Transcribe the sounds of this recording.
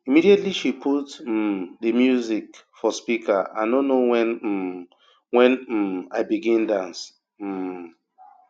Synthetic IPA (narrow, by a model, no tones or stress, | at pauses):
imidietliʃipʰutm̩dəmjuzikfɔspikaã̰nonowɛ̃n̩ | wɛ̃n̩aɪbiɡĩndãns̩